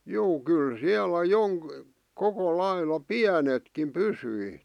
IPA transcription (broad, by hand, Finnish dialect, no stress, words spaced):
juː kyl siælæ joŋk koko lɑilɑ piænetkim pysyi